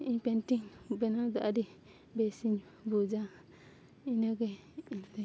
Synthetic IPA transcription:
iɲpɛnʈiŋbɛnad̪ɔʔaɾi | bɛsiɲ | bud͡ʒa | inaɡɛ

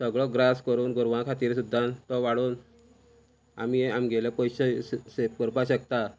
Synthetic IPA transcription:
səɡɭɔɡɾaskəɾuːnɡɔɾʋãkʰat̪iːɾsud̪ʱːat̪ɔʋaɽuːn | a̰miamɡelepəjɕəsep̚kəɾpaɕəkt̪a

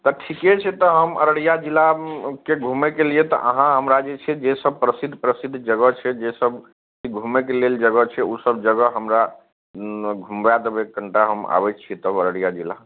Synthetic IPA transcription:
t̪ɔʈʰiket͡ʃʰɛt̪ɔɦəmə̰ɾəɽijad͡ʒilakeɡʱumekeliet̪ɔ̰ʔəɦãɦəmɾad͡ʒet͡ʃʰɛd͡ʒesəb̚pɾəsid̪ʱːpɾəsid̪ʱːd͡ʒəɡət͡ʃʰɛd͡ʒesəb | kiɡʱumekeleld͡ʒəɡət͡ʃʰɛusəbd͡ʒəɡəɦəmɾa | ɡʱumbad̪ebekːəɳʈaɦəma̰bɛt͡ʃt͡ʃʰit̪əbəɾəɽijad͡ʒila

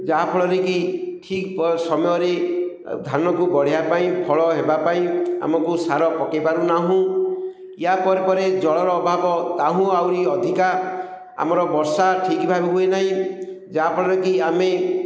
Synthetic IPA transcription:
d͡ʒaɦapʰɔɭɔɾekiʈʰikpɔsɔmɔjɔɾe | d̪ʱanɔkubɔɽ̤ijapaĩpʰɔɭɔɦebapaĩa̰mɔkusaɾɔpɔkepaɾunaɦũ | jjapɔɾepɔɾed͡ʒɔɭɔɾɔːbʱabɔt̪aɦũawɾiɔd̪ʱika | a̰mɔɾɔbɔɾsaʈʰikibʱabiɦuenaɦĩ | d͡ʒaɦapʰɔɭɔɾekiame

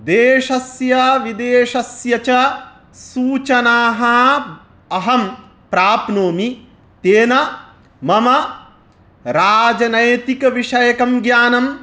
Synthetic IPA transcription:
d̪eːʂɐsjɐʋid̪eːʂɐsjɐt͡ʃɐ | suːt͡ʃɐnaːɦɐ | ɐɦɐm | pɾaːpnoːmi | t̪eːnɐ | mɐmɐ | ɾaːd͡ʒɐnɐjt̪ikɐʋiʂɐjɐkɐmɡjaːnɐm

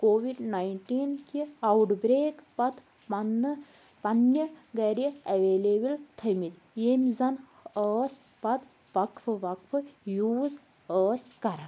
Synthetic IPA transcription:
koːʋiɖnaiɳʈiːnkiɐwʈbɾeːkpɐt̪ʰ | n | pɐnjɐɡɐɾiɐʋeːleːbilt̪ʰɐmit̪ | emzɐn | əːsʲ | pɐt̪ | ʋɐkʰfʰɨʋɐkʰfʰɨjuːz | əːskɐɾa

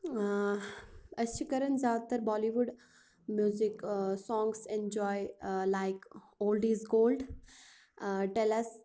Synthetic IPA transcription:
ɐʃʰikəɾənzaːd̪ət̪əɾbɔːliʋuɖ | mjuːziksɔ̃ːŋɡsẽnd͡ʒɔːɪlaɪk | oːlɖiːzɡoːlɖ | ʈɛlɐs

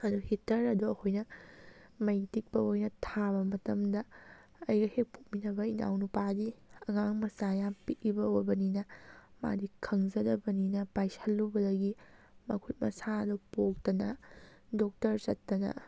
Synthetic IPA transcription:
ɐduhitɐɾɐduɐkʰojnɐ | mɐjtik̚pɐojnɐtʰaβɐmɐtɐmdɐː | jɡɐhek̚pʰok̚minɐbɐina̰wnupadiɐŋaŋmɐsajampiʔibɐojbɐninɐma̰dikʰɐŋzɐdɐbɐninɐpajsɐlːubɐdɐɡi | mɐkʰut̚mɐ̰saɐdɔpok̚tɐnɐdok̚tɐɾsɐtːɐnɐ̰

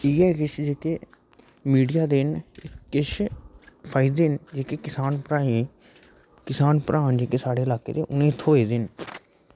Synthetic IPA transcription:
iːɛːkɪt͡ʃd͡ʒeːkeː | miːɖijaːd̪enɪkːɪʃ | pʰaːɪd̪end͡ʒeːkeːkɪsaːnpɾãːĩː | kɪsaːnpəɾʔãːnd͡ʒeːkeːsaːɽeːɪlaːkḛːd̪eːʔʊnẽːt̪ʰoːeːd̪ɪn

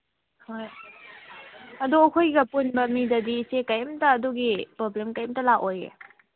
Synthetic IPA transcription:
hoj | ɐduɐkʰojɡɐpunbɐmidɐdisekajmtɐːduɡipɾoblemkajmtɐlakojḛ

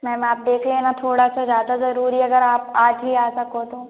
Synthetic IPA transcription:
mɛ̃ːmaːp̚d̪eːkʰleenat̪ʰoːɽasazjaːd̪azɐɾuːɾiɐɡəɾaːpaːd͡ʒɦiaːsɐkot̪oː

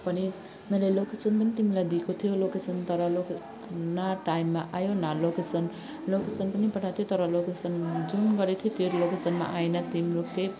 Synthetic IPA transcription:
pʌni | melajlokesʌnpʌnit̪imilajd̪ikot̪ʰijolokesʌnt̪ʌɾʌloke | naʈaimːaʔajonalokesʌn | lokesʌnpʌnipʌʈʰat̪ʰijot̪ʌɾʌlokesʌnd͡zunɡʌɾet̪ʰiot̪oɾlokesʌnma̰ʔajnʌt̪imiloke

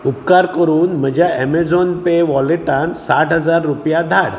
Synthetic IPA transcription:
up̚kaɾkəɾuːnm̤əd͡ʑʱjaɛmed͡zɔnpeʋɔleʈansaʈɦəd͡zaɾːupjad̪ʱaɽ

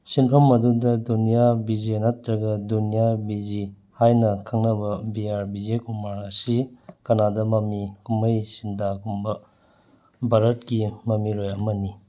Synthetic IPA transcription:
sinpʰɐmɐdudɐdunijabid͡ʒenɐtɾɐɡɐdunijabid͡ʒi | hajnɐkʰɐŋnɐbɐbiaɾbid͡ʒekumaɾɐsikɐnadɐmɐmikumɐjsintakumbɐ | baɾɐt̚kimɐmiɾojɐmɐni

